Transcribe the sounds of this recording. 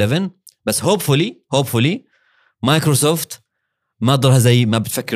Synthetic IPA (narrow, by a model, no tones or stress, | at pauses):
ɛvɪn | basːhoːbfʊlihoːbfʊli | majkɾosoːft̪ | maʔɑd̪ˤɑɾˤhazajːmabɪt̪fakːɪ